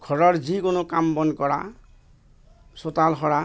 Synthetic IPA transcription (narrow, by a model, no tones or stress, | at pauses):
ɡʰʱɔɾɔɾd͡ʒikonokambɔnkɔɾa | sot̪alɦɔɾa